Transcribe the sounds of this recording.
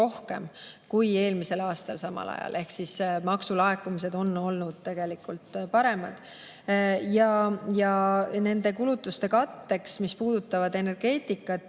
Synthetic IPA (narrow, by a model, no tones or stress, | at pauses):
o̞hke̞̰mkuje̞ːlmise̞lɑːst̪ɑlsɑmɑ̰lɑ̰jɑ̰lʔe̞hksismɑksulɑe̞kːumis̬e̞d̪o̞nːo̞lnud̪̥̚t̪e̞ɡ̥e̞likult̪pɑɾe̞mɑd̪̥ | jɑjɑne̞nd̪e̞kulut̪ːˑust̪e̞kɑt̪ːe̞ksmispuːd̪̥ut̪ːˑɑvɑd̪e̞ne̞rɡ̥e̞ːt̪ˑikːˑɑt̪ːˑ